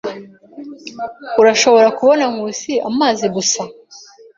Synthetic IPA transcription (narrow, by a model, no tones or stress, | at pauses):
uɾaʃo̞βo̞ɾakuβo̞naŋɡuːsiamaːziɡusa